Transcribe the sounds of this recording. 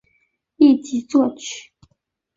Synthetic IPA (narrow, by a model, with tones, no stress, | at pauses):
i˥˩t͡ɕi˨˥t͡swɔ˥˧t͡ɕʰy̥˥˨˩